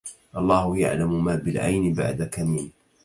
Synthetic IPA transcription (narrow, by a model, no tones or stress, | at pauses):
ʔɑlˤːɑːhʊja̰ʕlamʊmaːbɪlʕa̰jnɪba̰ʕd̪akamin